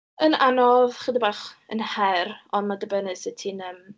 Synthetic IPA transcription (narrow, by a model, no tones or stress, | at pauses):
ənanɔðχədibaːχənhɛɾɔnmadəbɛnɨsɪtʰinəm